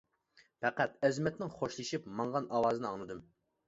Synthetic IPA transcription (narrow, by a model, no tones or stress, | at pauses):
pʰɛqæt̪ɛzmɛt̪nɪŋχoʃlˠɨʃipmɑŋʁɑnʔɑwɑːzɨnɨɑŋlˠɨd̪ɨm